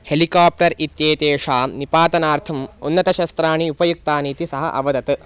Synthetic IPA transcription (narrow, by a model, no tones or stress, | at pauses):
helikaːp̚ʈɐɾit̪jeːt̪eːʂaːnipaːt̪ɐnaːɾt̪ʰɐmunːɐt̪ɐʃɐst̪ɾaːɳiupɐjuk̚t̪aːniːt̪isɐɦɐʔɐ̰ʋɐd̪ɐt̪ɨ